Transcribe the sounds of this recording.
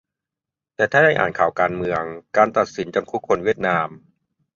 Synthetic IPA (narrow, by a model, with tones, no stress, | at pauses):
t̪ɛː˨˩t̪ʰaː˥˩da˥˩jʔa̰ː˨˩nkʰaː˨˩wkaː˧nmɯ˧əŋkaː˧nt̪a˨˩t̪̚si˩˦nt͡ɕa˧mkʰu˦˥kʰːo˧nwi˥˩ət̪̚naː˧m